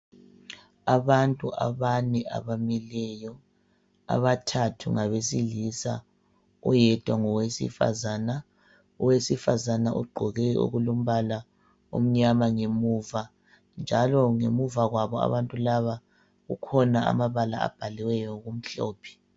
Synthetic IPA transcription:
aβantʼuʔa̰βanɛa̰βamilɛjɔ | a̰βatʰatʰṵŋaβesilisa̰ | ṵjɛd̥ʱwaŋɔwesḭfa̰zana | ɔwesifazanaʔṵɡ͡ǃʱɔɣɛo̰ɣulom̩βala | o̰m̩ɲamaŋemuva | nd͡ʒʱalɔŋemuvaɣwaβɔa̰βantʼulaβa | ɣṵkʰɔnaa̰maβala̰a̰b̥ʱaliwɛjɔɣum̩ɬɔ̰ːpʰɛ̥

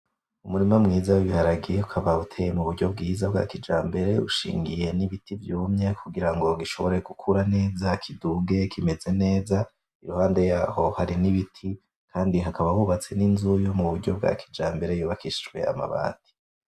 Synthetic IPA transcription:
umuɾimamŋiːzawiβihaɾaɡijeukʰaβautʰe̞ːjemuβuɾɟo̞bɡiːzabɡa̰ːkid͡ʒaːmbe̞ɾe̞uʃḭːŋɡije̞niβitivjuːmɲe̞kʰuɡiɾaŋɡo̞ɡiʃo̞̰βo̞ɾe̞ɡukʰuɾane̞ːzakʰiduɡe̞kʰime̞ze̞ne̞ːza | iɾuhaːnde̞jaːho̞haɾiniβitʰi | kʰaːndiɦakaβawuβat͡se̞ninzujomuβuɾɟo̞b̚ɡa̰ːkʰi̥d͡ʒaːmbe̞ɾejuːβakiʃit͡ʃwe̞̰a̰ma̰βa̰ːti̥

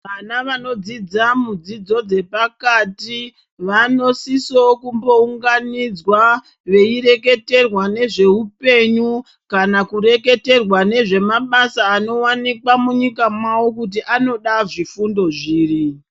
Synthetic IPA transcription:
ʋanaʋano̞d͡zid͡zamud͡zid͡zo̞d͡ze̞pakati | ʋano̞sisokumbo̞uŋɡanid͡zwa | ʋe̞ire̞ke̞te̞rwane̞ʐe̞upe̞ɲu | kanakuɾe̞ke̞te̞rwane̞ʐe̞maɓasaːno̞wanikwamuɲikamwawokut̬iʔano̞ɗaʐifundo̞ʐiːri

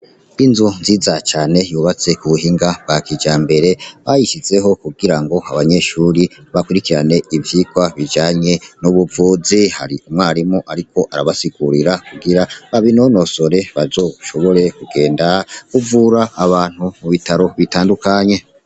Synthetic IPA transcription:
inzonziːzat͡ʃaːne̞juːβat͡se̞kuβuɦiŋɡab̥̚ɡakid͡ʒaːmbe̞ɾe̞βajiʃize̞ɦo̞kuɡiɾaŋɡo̞aβaɲe̞ʃuɾiβakuɾikiɾane̞ivjiːkwaβid͡ʒaːɲe̞nuβuvuziha̰ɾiumwaːɾimoʔaɾikʰo̞ʔaɾaβasiɡuɾiɾakuɡiɾaβaβino̞no̞so̞ɾe̞βazo̞ːʃo̞βo̞ɾe̞kuɡe̞ːndakuvuɾaːβaːn̥humuβitaɾo̞βitaːndukaɲe̞

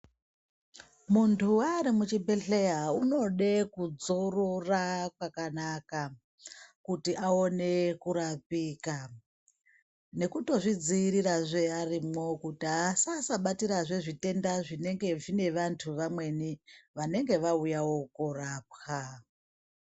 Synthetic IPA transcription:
muntʰuaɾimut͡ʃibʱeɬejauno̞ɗekud͡zo̞ro̞rakwakanaka | kutiʔao̞ne̞kuɾapiːka | ne̞kuto̞ʐid͡ziːɾiɾaʐearimo̞kutiasasaɓatiɾaʐe̞ʐite̞ndaʐine̞ŋɡe̞ʐine̞ʋantʰuʋamwe̞niʋane̞ŋɡe̞ʋaujawo̞koɾraːp̚xa

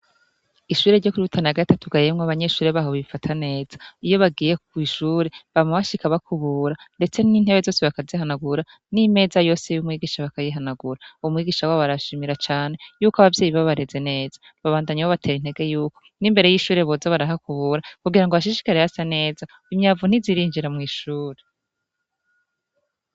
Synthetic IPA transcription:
iʃuːɾe̞ɾɟo̞kuɾiutʰanaɡatatuɡajemŋwaβaɲe̞ʃuːɾeβaɦoβifatʰane̞ːz̥aijo̞βaɡiːje̞k̚wiʃuːɾe̞βamaβaʃikaβakʰuβuɾande̞t͡se̞nin̥he̞βezo̞ːse̞βakazihanaɡuɾa | nime̞ːzajo̞ːse̞jumŋiːɡiːʃaβakajiɦanaɡuɾauumŋiːɡiːʃawaβaɾaʃimiɾat͡ʃaːn̥e̞juːkaβavje̞ːjiβaβaɾeze̞ne̞ːza | βaβaːndaɲawoβatʰe̞ːɾin̥he̞ɡe̞juːko̞nimbe̞ɾejiʃuːɾeβozoβaɾaɦakuβuːɾakuɡiɾaŋɡoβaʃ̬iʃi̥kaɾejasane̞ːza | imɲaːvun̥iziɾiːɲd͡ʒiɾamŋiːʃuːɾe

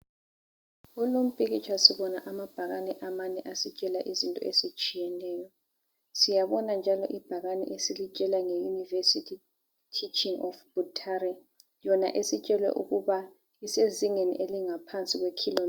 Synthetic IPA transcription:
ulom̩pʼiɣit͡ʃʰʼwasiβɔnaʔamab̥ʱaɣanɛʔamanɛʔasit͡ʃʼɛlaʔizintʼɔ̰ezit͡ʃʼijɛnɛːjɔ | sijaβɔnand͡ʒʱalɔ̰ʔib̥ʱaɣanɛ̰ʔesilit͡ʃʼɛlaŋejunivesitʰi | tʰit͡ʃʼiŋɔfb̥utʰaɾɛ | jɔna̰ʔesit͡ʃʼɛlwɛ̰ʔuɣuβa | iseziŋenḭʔeliŋapʰant͡sʼiɣwekʰilɔ

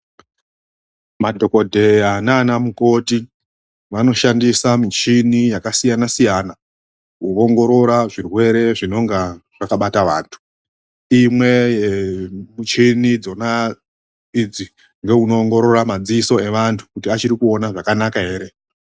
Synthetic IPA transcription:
madʱo̞ko̞dʱe̞janaːnamuko̞ti | ʋano̞ʃandisamit͡ʃinijakasijanasijana | uoŋɡo̞ɾo̞ɾaʐirwe̞ɾe̞ʐino̞ŋɡaʐakaɓataʋaːntʰu̥ | imwe̞jemut͡ʃinid͡zo̞na | id͡zi | ŋɡe̞uno̞ːŋɡo̞ɾo̞ɾamad͡ziiso̞e̞ʋantʰu̥kutiat͡ʃiɾikuo̞naʐakanakaɦe̞ːɾe̞

